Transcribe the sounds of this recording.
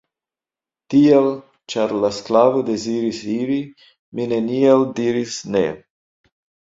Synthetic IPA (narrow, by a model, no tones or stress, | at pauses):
tiel | t͡ʃaɾlasklavode̞ziɾisiɾi | mine̞nialdiɾisnḛ